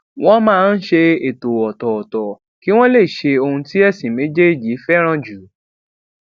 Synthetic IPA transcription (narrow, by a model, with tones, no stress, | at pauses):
w̃ɔ̃˦mãː˦˧n̩˦ʃe˧e˨to˨wɔ˨tɔ˨ɔ˨tɔ˨ | ki˦w̃ɔ̃˦le˦˨ʃe˧o˧hũ˧ti˦ɛ˦˨sĩ˨mẽ˨˦d͡ʒe˦i˦˨d͡ʒi˨˦fɛ˦ɾ̃ã˦˨d͡ʒu˨˦